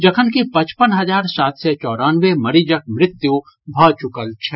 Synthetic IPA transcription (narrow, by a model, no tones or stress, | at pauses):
d͡ʒɐkʰənkipɐ̃t͡ʃpənɦɐd͡ʒaːɾsaːt̪sɛt͡ʃɔːɾaːnʋemɐɾid͡ʒək̚mɾɪt̪ju | bʱɔːt͡ʃʊkəlt͡ʃʰɛ